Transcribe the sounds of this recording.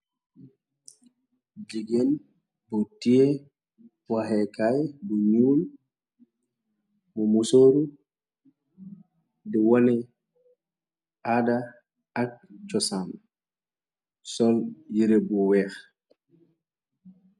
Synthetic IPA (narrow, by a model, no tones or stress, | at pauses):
d͡ʒiɡɛl | bɔtijɛ | wahɛkajbɔɲuːl | mɔmusoːɾu | dɛwɔnɛ | ada | ak̚t͡ʃɔsam | sɔljiɾɛbɔwɛx